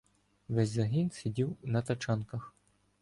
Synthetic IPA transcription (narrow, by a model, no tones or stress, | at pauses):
ʋɛzʲzɐɦinsʲidʲiwnɐt̪ɐt͡ʃɑnkɐx